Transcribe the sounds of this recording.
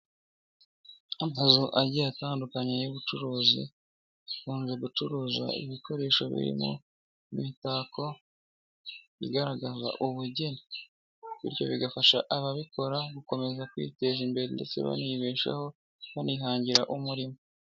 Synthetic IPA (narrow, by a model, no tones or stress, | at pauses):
amazuʔaɾɟiataːndukaɲejuβut͡ʃuɾuːzḭ | kuːnze̞ɡut͡ʃuɾuːza̰ḭβikʰo̞ɾe̞ːʃo̞βḭɾḭmo̰ | imitaːko | ḭɡaɾaɡaza̰ʔuβuɟe̞ni | βḭɾjo̞̰βiɡafaʃaʔaβaβikʰo̞ɾaβuko̞me̞zakwḭːte̞ʒimbe̞ɾende̞̰t͡se̞̰βa̰niβeːʃa̰ho̞ | βaniɦaːɲɟiɾa̰ʔumuɾimo